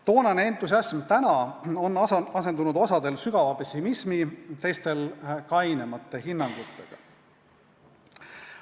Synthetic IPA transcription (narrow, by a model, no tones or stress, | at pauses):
t̪o̞ːnɑneent̪ːˑus̬ɑsmt̪ænɑo̞nːɑse̞nd̪unud̪o̞sɑd̪e̞lsyɡ̥ɑvɑpe̞sʲːimismit̪e̞jst̪e̞lkɑjnemɑt̪ːˑe̞ɦinːɑŋɡ̥ut̪ːˑe̞ɡ̥ɑ̰